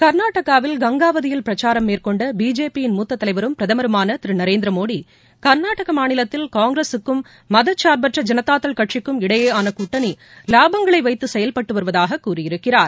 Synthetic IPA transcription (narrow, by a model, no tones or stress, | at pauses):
kɐɾnaːʈɐɣaːʋɪlɡɐŋɡaːʋɐðɪjɪlpɪɾɐt͡ʃaːɾɐmːeːrkɔɳɖɐbiːd͡ʒeːpijɪnmuːt̪ːɐt̪ːɐlɐɪʋɐɾɯmpɪɾɐðɐmɐɾɯmaːnɐt̪ɪɾɯnɐɾeːnd̪ɾɐmoːɽi | kɐɾnaːʈɐɣɐmaːnɪlɐt̪ːɪlkaːŋɡɾesɯkːɯmː | ɐðɐt͡ʃːaːɾbɐʈrɐd͡ʒɐnɐt̪aːt̪ːɐɭkɐʈʂɪkːɯmɪɽɐjeːaːnɐkʊʈːɐni | laːbɐŋɡɐɭɐɪʋɐɪt̪ːɯsɛjɐlpɐʈːɯʋɐɾɯʋɐðaːɣɐkːuːrɪjɪɾɯkːɪraːɾ